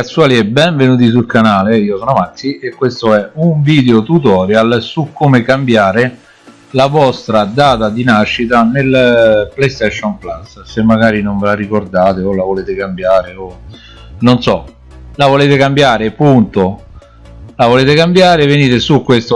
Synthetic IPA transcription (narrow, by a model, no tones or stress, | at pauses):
at̪sːuwaːliɛbɛɱvenuːt̪is̬ulkanaːleiːosoːnomak̪ːiekːwest̪oɛuɱviːd̪eot̪ut̪ɔːɾjalsukːomekambjaːɾe | lavɔst̪ɾad̪aːt̪ad̪inaʃːit̪anelplejst̪ɛʃːɔnplasːsemːaɡaːɾinoɱvelaɾikord̪aːt̪eolavoleːt̪ekambjaːɾeo | nonsɔ | lavoleːt̪ekambjaːɾepunt̪o | lavoleːt̪ekambjaːɾeveniːt̪esukːwest̪o